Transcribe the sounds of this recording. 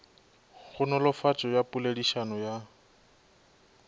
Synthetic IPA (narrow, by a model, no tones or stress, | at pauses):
χʊnɔlɔfat͡ʃʼɔjapʼulediʃanɔja